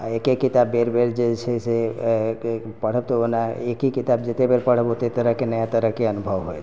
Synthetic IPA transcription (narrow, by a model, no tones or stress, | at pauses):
aekekːɪt̪abːeɾbeɾd͡ʒet͡ʃʰese | pəɽ̤əb̚t̪oonaekikɪt̪abd͡ʒet̪ebəɾpəɽ̤əbot̪et̪əɾəɦkenəjat̪əɾəɦkeənʊbʱəʋɦojʰ